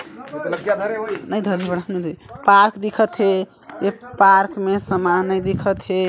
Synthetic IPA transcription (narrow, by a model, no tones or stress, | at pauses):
ət̪ləɡjad̪ʱəɾeɦojnəjd̪ʱəɾɦibəɽɦəmnəjd̪ʱoɾipaɾkd̪ikʰət̪ɦe | jepaɾkmesəmaɦnəjd̪ikʰət̪ɦe